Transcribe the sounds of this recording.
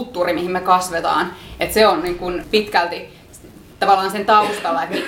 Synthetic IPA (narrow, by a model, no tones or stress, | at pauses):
t̪ːuːrimihimmekɑsʋet̪ɑ̰ːnet̪seonniŋkunpit̪kælt̪i | t̪ɑʋɑlːˑɑːnsent̪ɑust̪ɑlːɑet̪mi